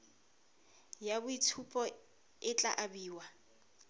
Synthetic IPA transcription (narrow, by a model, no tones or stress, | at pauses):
jabʊitʰupʼɔ | ɪt͡ɬʼa̰ʔabiːwa